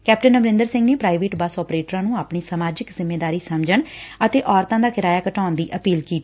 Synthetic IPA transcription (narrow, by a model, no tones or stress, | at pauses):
kɛːpʈənəbɾɪ̃nd̪əɾsɪ̃ŋɡneːpɾaːiʋeːʈbəsɔːpɾeːʈəɾãːnũːaːpɳiːsəmaːd͡ʒɪkzɪmːeːd̪aːɾiːsəmd͡ʒəɳət̪eːʔɔːɾt̪ãːd̪aːkɪɾaːjaːkəʈaːʊnd̪iːʔəpiːlkiːt̪i